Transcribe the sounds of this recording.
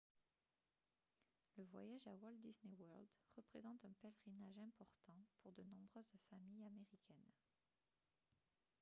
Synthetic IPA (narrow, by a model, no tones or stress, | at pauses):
ləvwa̰jaʒawɔld̪isnewœʁld̪ʁəpχezɑ̃t̪ɛ̃pɛlʁinaʒɛ̃pɔʁt̪ɑ̃puʁd̪ənɔ̃bʁøzfamijameʁikʰʲɛn